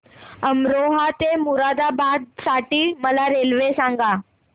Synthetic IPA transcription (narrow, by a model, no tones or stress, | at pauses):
əmɾoɦat̪emuɾad̪abad̪̚saʈiːməlaɾelʋesãŋɡa